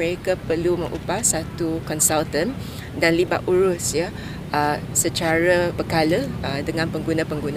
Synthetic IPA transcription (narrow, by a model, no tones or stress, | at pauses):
əɾekapərlumə̃ŋʔṵpasat̪ukɔnsalt̪ə̃n | danliba̰ʔuɾʊsja | əsət͡ʃaɾəbəkalədəŋãnpəŋɡunãpəŋɡunã